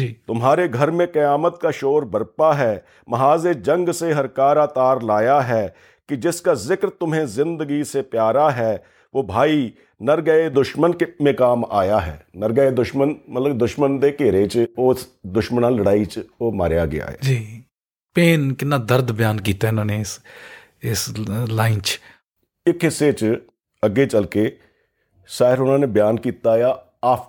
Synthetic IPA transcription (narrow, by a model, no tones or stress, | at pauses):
d͡ʒiːt̪ʊmɦaːɾeɡʱəɾmẽkɐjaːmət̪kaʃoːɾbəɾpaɦɛː | mɐɦaːzed͡ʒɐ̃ŋɡseɦɐɾkaːɾaːt̪aːɾlaːjaɦɛː | kid͡ʒɪskazɪkɾt̪ʊmɦẽzɪ̃nd̪əɡisepjaːɾaɦɛː | ʋoːbʱaːi | nəɾɡəed̪ʊʃmənkmẽkaːma̰ːjaɦɛ̰ːnəɾɡəed̪ʊʃmənmət̪ləbd̪ʊʃmənd̪eːkeːɾet͡ʃoːsd̪ʊʃmnãːləɽaːit͡ʃoːmaːɾja̰ːɡɪ̰ja̰ːɦaːd͡ʒiː | peːnkɪnaːd̪əɾd̪bɪjaːnkiːt̪aɦɛɪnãːneːɪs | ɪslaːɪnt͡ʃ | ɪkɦɪsːet͡ʃ | əɡet͡ʃəlkeː | saːɪɾʊnãːneːbɪjaːnkiːt̪aːjaː | aːp